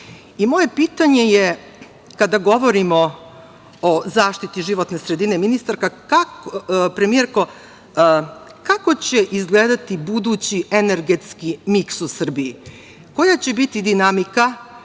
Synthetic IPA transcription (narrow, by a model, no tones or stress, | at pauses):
imo̞je̞piːt̪aɲe̞je | kad̪aɡo̞ʋo̞ɾimo̞ | ozaːʃt̪it̪iʒiʋo̞t̪ne̞sɾe̞d̪ineminist̪aɾkakakpɾe̞mie̞ɾko̞ | kako̞t͡ɕe̞ʔizɡleːd̪at̪ibud̪uːt͡ɕie̞ne̞ɾɡe̞t̪skimiksusr̩bii | ko̞jat͡ɕe̞bit̪id̪inamika